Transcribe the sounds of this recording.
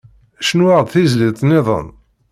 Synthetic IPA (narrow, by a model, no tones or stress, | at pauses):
ʃnwaʁd̪ˤθizlit̪ˤnɪðˤə̰n